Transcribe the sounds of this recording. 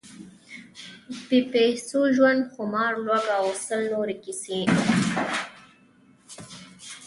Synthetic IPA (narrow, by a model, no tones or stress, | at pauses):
pipesuʒwand̪xʊmɑːɾlwaɡaosəlnoɾekisĩ